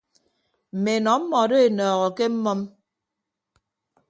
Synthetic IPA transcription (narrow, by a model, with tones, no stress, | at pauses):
m̩˨me˨nɔ˨˦m̩˦mɔ˨do˦e˨nɔː˨ɣɔ˨ke˦m̩˦mɔ˦m